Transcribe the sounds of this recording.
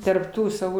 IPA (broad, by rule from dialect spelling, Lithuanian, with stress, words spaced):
tɐrp ˈtuː sɐˈʋuː